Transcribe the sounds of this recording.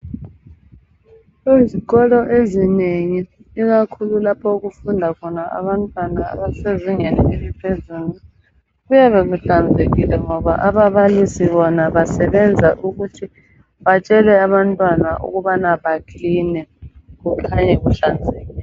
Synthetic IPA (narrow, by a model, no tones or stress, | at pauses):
eziɣɔlɔʔezineŋi | ik̬akʰululapʰɔk̬ufundʱakʰɔnaʔa̰βantʼwanaa̰βaseziŋɛlɛelipʰezuli | kujaβek̬uɬand͡zʱek̬ilɛŋɔβaʔaβaβalisiβɔnaβasɛɓɛnd͡zʱaʔuk̬utʰi | ɓat͡ʃʼɛlɛaβantʼwanaʔṵk̬uɓanaɓakʰinɛk̬ukʰaɲɛkuɬand͡zʱeːlɛ